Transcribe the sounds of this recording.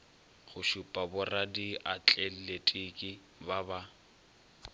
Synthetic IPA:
χʊʃupʼabʊradiʔat͡ɬʼel̩letʼikʼɪ | baba

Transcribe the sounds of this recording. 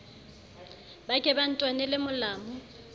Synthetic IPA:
bakʼɛban̩tʼwanɛlɪmʊlaːmʊ

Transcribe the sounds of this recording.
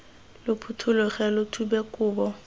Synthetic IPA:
lʊpʰutʰʊlʊχɛlʊtʰubekʼʊːbɔ

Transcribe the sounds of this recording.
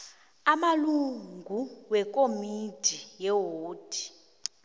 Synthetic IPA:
amaluŋɡʱuwɛkʼomid̥ʱijɛɦoːd̥ʱi̥

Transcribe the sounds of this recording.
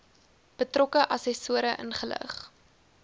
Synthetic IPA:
b̥ətrɔkəʔɐsɛsuəɾəʔənχələ̰χ

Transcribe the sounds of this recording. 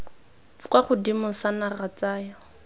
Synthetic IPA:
kwaχʊdimʊsanarat͡saːja

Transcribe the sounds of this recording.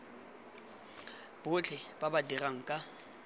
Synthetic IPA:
b̥ʊt͡ɬʰɛb̥abadiraŋ̩kʼa

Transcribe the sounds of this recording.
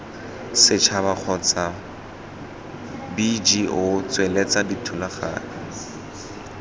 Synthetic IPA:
sɪt͡ʃʰabak͡xʰɔt͡sa | bid͡ʒiʔʊt͡swelet͡saditʰʊlaχa̰ːnɔ

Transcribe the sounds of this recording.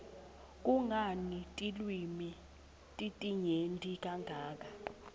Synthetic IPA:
kʼuŋanitʼilwimi | tʼitʼiɲendʱik̬ʼaŋɡʱaːk̬ʼa

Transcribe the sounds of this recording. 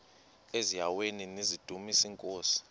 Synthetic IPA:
ezijaweninizid̥ʱumisiŋkʼoːsi̥

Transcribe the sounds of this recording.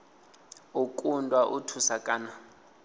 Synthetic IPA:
ukʼundʼwaʔutʰusakʼaːna

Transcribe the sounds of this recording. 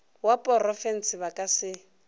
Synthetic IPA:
wapʼɔrɔfɛn̩sɪβakʼasɪ

